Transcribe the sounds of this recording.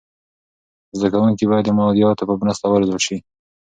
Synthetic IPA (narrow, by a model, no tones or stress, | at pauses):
zd̪akawuŋkibɑjad̪əmɑd̪ijɑwt̪apəbnast̪awalzwaʃi